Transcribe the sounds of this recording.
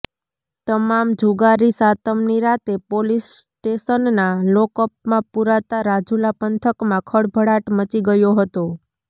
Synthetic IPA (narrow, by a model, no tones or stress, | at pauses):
t̪əmamd͡ʒʱuɡaɾisat̪əmniɾat̪epolisʈeʃənnalɔkəp̚mãpuɾat̪aɾad͡ʒulapənt̪ʰəkmãkʰəɽbʱəɽaʈmət͡ʃiɡəjoɦət̪o